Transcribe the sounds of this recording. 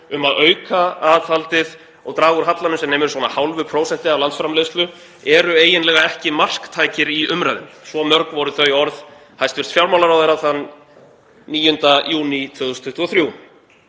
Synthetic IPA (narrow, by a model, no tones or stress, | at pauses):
ʏmaðœːɥkaaðθalt̪ɪð | ɔɣt̪ɾaːɣʏɾ̥ɦat̪lanʏsɛmneːmɛɾʏswɔnahawlvʏpʰɾoːwsɛn̥t̪ɪavlant̪sfɾamlest̪lʏ | ɛɾʏeːjɪnlɛːɣaɛhcɪmar̥kt̪ʰaːjcɪɾiʔʏmɾajðɪmsvɔmœɾkvɔɾʏθœɥjɔɾð | hajst̪vʏst̪fjawɾmawlaɾawðejɾaθanː | iːjʏnt̪ajuːnit̪ʰvʏðʏst̪ʰʏht̪vuɔθɾjuː